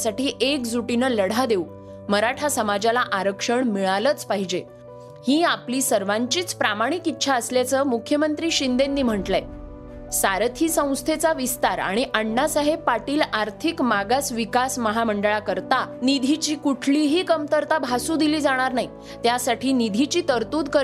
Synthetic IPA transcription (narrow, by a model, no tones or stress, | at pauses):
saʈiːʔek̚d͡zuʈinəːləɽ̤ʱad̪eu | məɾaʈʰasəmad͡ʑalaʔaɾəkʂəɳmiɭalət͡spaɦid͡ʑe | hiːapliːsəɾʋaɲt͡ɕiːt͡spɾamaɽ̃ikit̪ːɕʰaəsljat͡səːmukʰːjəmənt̪ɾiːɕind̪end̪iːm̤əɳʈle | saɾət̪ʰiːsə̃w̃st̪ʰet͡saʋist̪aɾa̰ɽ̃iʔaɳːasaɦebpaʈiːlaɾt̪ʰikmaɡasʋikasməɦaməɳɖəɭakəɾt̪anid̪ʱit͡ɕiːkuʈʰliːɦiːkəmt̪əɾt̪abʱasuːd̪iliːd͡zaɽ̃aɾnai | t̪jasaʈʰiːnid̪ʱit͡ɕiːt̪əɾt̪uːd̪kə